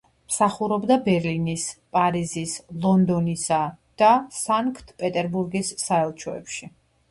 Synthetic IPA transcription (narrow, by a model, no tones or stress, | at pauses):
msaχuɾɔbd̪abɛɾlinispʼaɾizislˠɔnd̪ɔnisad̪̥asaŋkʰt̪ʰpʼɛt̪ʼɛɾbuɾɡisːaɛlˠt͡ʃʰɔɛ̰pʃi